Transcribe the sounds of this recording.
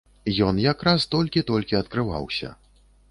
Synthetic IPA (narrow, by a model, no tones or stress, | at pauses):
jɔnjakɾast̪ɔlʲkʲit̪ɔlʲkʲiɐt̪̚kɾɨva̰wsʲɐ̰